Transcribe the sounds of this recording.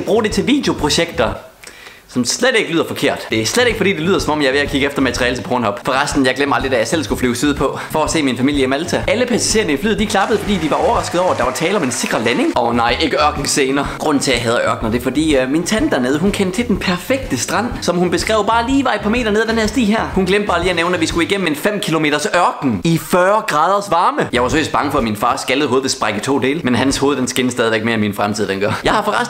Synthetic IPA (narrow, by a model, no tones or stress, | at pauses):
b̥ʁuːd̥e̝t͡sʰe̝lʋḭːd̥jo̝pʰʁo̝ɕeɡ̥̚d̥ɐ | sɒ̽msled̥e̝ɡ̥əlyːð̰ˠɐfɒ̽kʰe̝ɐ̰d̥d̥e̝æsled̥e̝ɡ̥əfɒ̽dḭːd̥elyːðˠɐsɒ̽mɒ̽m̰jɑ̈ɪʋe̝ækʰiɡ̥əefd̥ɐmæt͡sʰʁiɛːlət͡sʰe̝pʰɒːnɦɒ̽b̥fɒ̽ʁɑsd̥n̩jɑɪɡ̥lem̰ɐɑld̥ʁidæjɑ̈ɪsel̰sɡ̥uflyːsyð̞ˠpʰɒ̽ | fɒæse̝̰ːminfæmḭl̰jəimælt͡sʰæʔæləpʰæsæ̥ɕe̝ɐnəiflyːðˠd̥ikʰlɑ̈b̥əðˠfɒ̽d̥ḭːd̥iʋɑ̈ɒʊɐʁɑ̈sɡ̥əð̩ˠɒ̰ʊæd̥ɑʋɑ̈t͡sʰɛːlɐɒ̽me̝nse̝ɡ̥ʁɐlæne̝ŋɒ̽nɑ̈ɪ̰ʔe̝ɡ̥əɶɐɡ̥n̩seːnɐɡ̥ʁɔ̽n̰n̩t͡sʰe̝æɦɛːð̞ˠɐʔɶɐɡ̥n̩ɐd̥e̝fɒ̽d̥ḭːmint͡sʰænd̥æɐneːð̞ˠəɦunkʰend̥t͡sʰed̥enpʰæɐfeɡ̥̚d̥əsd̥ʁɑ̈n̰sɒ̽mhunb̥e̝sɡ̥ʁɛ̰ʊb̥ɑ̈ːliːʋɑ̈i̥pʰɑme̝̰ːɾɐneð̞ˠd̥enhæɐsd̥ḭːɦæɐ̰hunɡ̥lemd̥̚bɑ̈ːliːæneʊnəæʋisɡ̥uiɡ̥em̰e̝nfem̰kʰilo̝me̝̰ːd̥ɐsɶɐɡ̥n̩ifɶːɐɡ̥ʁɑ̈ːð̞ˠɐsʋɑ̈ːməjɑ̈ɪʋɑsføl̰is̚bɑ̈ŋəfɒ̽æminfɑ̈ːsɡ̥ælð̩ˠho̝ːðˠʋesb̥ʁaɡ̥ət͡sʰo̝̰ːd̥e̝ːləmenɦænshoːð̞̩ˠd̥ensɡ̥enəsd̥ɛːð̞ˠiʋeɡ̥meɐenminfʁamt͡sʰiðˠd̥enɡ̥ɶɐ̰jɑ̈ɪhɑ̈fɒʁɑs